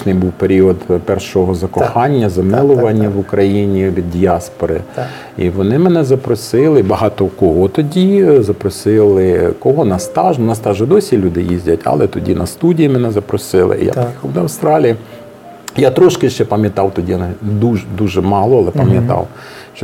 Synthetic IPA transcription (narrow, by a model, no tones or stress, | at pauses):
nɪjbuwpeɾʲiɔd̪pɛrʃɔɦɔzɐkɔxɑnʲːɐzɐmɪlˠʊʋɐnʲːɐʋʊkɾɐjinʲiʋʲid̪̚ːʲiɑspɔɾɪ̰ | ḭʋɔnɪmenɛzɐpɾɔsɪlˠɪbɐɦɑt̪ɔkɔɦɔt̪ɔdʲizɐpɾɔsɪlˠɪkɔɦɔnɐst̪ɑʒnʊnɐst̪ɑʒɪd̪ɔsʲilʲud̪ɪjizʲdʲɐtʲɐ̰lˠɛt̪ɔdʲinɐst̪udʲijimenɛzɐpɾɔsɪlˠɪ̰ʔḭja̰xɐwd̪ɐwst̪ɾɑlʲiji | jat̪ɾɔʃkɪʃt͡ʃɛpɐmʲjɐt̪ɑwt̪ɔdʲijnd̪uʒd̪uʒɛmɑlˠɔɐlˠɛpɐmjɐt̪ɑ̰w | ʃt͡ʃɔ